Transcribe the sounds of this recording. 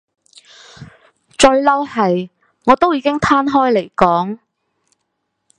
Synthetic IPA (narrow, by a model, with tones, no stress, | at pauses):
t͡ʃɵ˧ɥlɐ˥whɐ˨j | ŋɔː˨˧t̪o˥wjiː˧kɪ˥ŋt̪ʰaː˥nɦɔː˥jle˨˩jkɔː˨˥ŋ